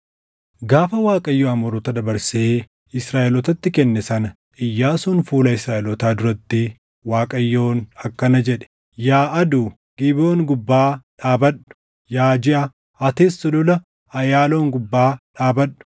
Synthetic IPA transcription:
ɡaːfɐwaːkʼɐjːoːɐmɔɾɔt̪ɐd̪ɐbɐɾseː | ɪsɾaːʔɪlɔt̪ɐt̪ːɪkɛnːɛsɐnɐ | ɪjːaːsʊnfuːlɐɪsɾaːʔɛlɔt̪aːd̪ʊɾɐt̪ːɪ | waːkʼɐjːoːnɐkːɐnɐd͡ʒɛᶑɛ̥ | jaːʔɐd̪uː | ɡ̥ɪboːŋɡʊbːaːᶑaːbɐɗːʊ̥ | jaːd͡ʒɪʔɐ | ɐt̪eːsːɔlʊlɐ | ɐjaːlo̞ːŋɡʊbːaːᶑaːbɐᶑʊ̥

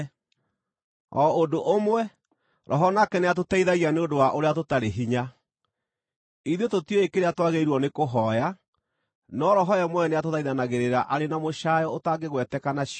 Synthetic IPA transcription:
ɔodoʔomwɛ | ɾʔɔɦɔnakɛneat̬otɛiðaɣianeondowaʔoɾeatotaɾeɦiɲa | iðetotiɔekeɾeatwaɣeiɾwɔnekoɦɔja | nɔɾɔɦɔɛmwɛneatoðaiðanaɣeɾeɾaʔaɾenamoʃajɔotaɡeɣwɛtɛkanaɕ

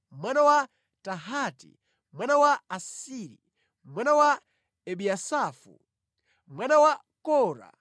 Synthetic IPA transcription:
mwanawa | taɦaːtḭ | mwanawaːsiːɾi | mwanawa | ɛɓiasaːfṵ | mwanawa | kɔːɾa̰

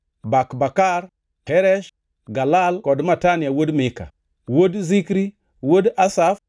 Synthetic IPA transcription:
bakbakaɾ | heɾeʃ | ɡalalkodmataniawodmeka̰ | wodzikɾi | wodasaf

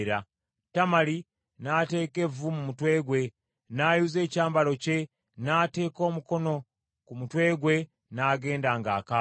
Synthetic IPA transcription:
ɾa | tamali | naːte̞ːke̞vumumutwe̞ːɡwe̞ | naːjuːze̞ːcaːmbaloce̞ | naːte̞ːko̞ːmuko̞no̞ | kumutwe̞ːɡwe̞ | naːɡe̞ːndaŋɡaːka

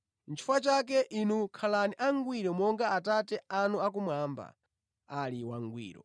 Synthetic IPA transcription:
n̩t͡ʃʰi̥fat͡ʃak̬ɛʔinukʰalaniʔaŋɡwiɾɔmɔŋɡaːtatɛanuakumwaːmba̰ | aliwaŋɡwḭːɾɔ̰

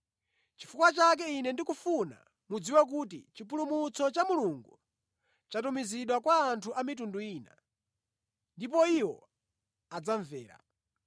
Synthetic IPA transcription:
t͡ʃi̥fukwat͡ʃak̬ɛinɛndikufuna̰ | mud͡ziwɛk̬uːtḭt͡ʃipulumut͡sʰɔt͡ʃamuluŋɡu | t͡ʃatumiziɗwakwaːntʰuʔamitunduiːna | ndipɔiwɔ̰ | ad͡zaɱvɛːɾa̰

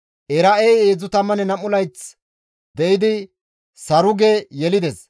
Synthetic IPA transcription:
ʔɛɾɐʔejeːd͡zʊt̪ɐmːɐnɛnɐmʊlɐjt͡s | d̪ɛʔɪd̪ɪ | sɐɾʊɡejɛlɪd̪ɛs

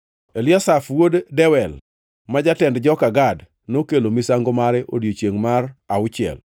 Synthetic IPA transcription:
eljɔsafwoddɛwɛl | mad͡ʒatɛndd͡ʒɔkaɡad | nokelomisaŋɡomaɾɛʔodjot͡ʃeŋmaraʊt͡ʃɪɛ̰l

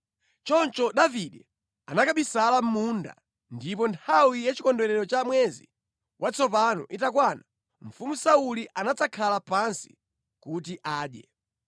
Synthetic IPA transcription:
t͡ʃɔnt͡ʃɔɗaviɗɛ | anakaɓisalam̩munda̰ | ndip̬ɔntʰawijat͡ʃikɔndɔɾɛɾɔt͡ʃamwɛzḭ | wʔat͡sɔp̬anɔ̰ʔitakwana | m̩fumusauliʔanat͡sakʰalapansi̥̰ | kutiʔaːɗjɛ̰

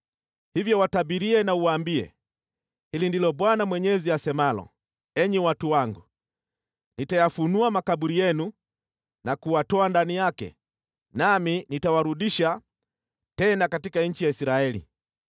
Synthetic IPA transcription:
hivjɔwatabiɾiɛnauwaːmbiɛ̰ | hilindilɔɓwanamwɛɲɛziasɛmalɔ̰ | ɛɲɛwatuwaŋɡu | nitajafunuamakaɓuɾijɛnu | nakuwatɔandanijakɛ̰ | naminitawaɾuɗiʃa | tɛnakatikaɲ̩t͡ʃijaisɾaɛlḭ

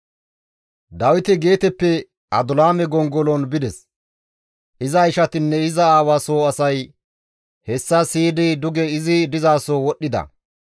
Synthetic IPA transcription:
d̪ɐwɪt̪ɪɡe̞ːt̪ɛpːɛ | ʔɐ̰d̪ʊlaːmɛɡɔŋɡɔlɔnbɪd̪ɛs | ʔɪzɐɪʃɐt̪ɪnːɛɪzɐaːwaːsoːɐsɐj | hɛsːɐsiːd̪ɪd̪ʊɡɛɪzɪd̪ɪzaːsowɔɗːɪd̪ɐ̰

